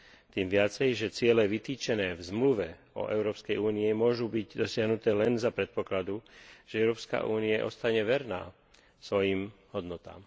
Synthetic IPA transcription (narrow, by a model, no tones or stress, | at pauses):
t̪iːmʋɪat͡sɛjʒɛt͡sɪɛlɛʋit̪iːt͡ʃɛnɛːvzmluʋɛ | ɔ̰ʔɛʊɾɔːpskɛjuːniɛmʊɔʒubiɟd̪ɔsɪaɦnut̪ɛːlɛnzapɾɛt̪̚pɔklad̪uʒ̥ɛɛʊɾɔːpska̰ʔuːniaʔɔ̰st̪aɲɛʋɛɾna̰ː | sʋɔjiːmɦɔd̪nɔt̪a̰ːm